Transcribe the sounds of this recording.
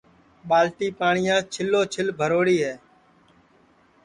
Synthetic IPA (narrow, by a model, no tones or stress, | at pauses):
ɓaːlʈiːpaːɳɪjãːt͡ʃʰɪlːoːt͡ʃʰɪlbʱəɾoːɽiːɦɛː